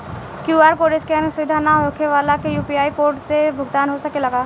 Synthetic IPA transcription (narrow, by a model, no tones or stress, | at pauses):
kjuaːɾkoɾed͡ʒkeənsʊʋɪd̪ʱanaɦokʰeʋaːlakejuːpiaːikoːɾʈsebʱʊɡt̪aːnɦosəkelɐɡaː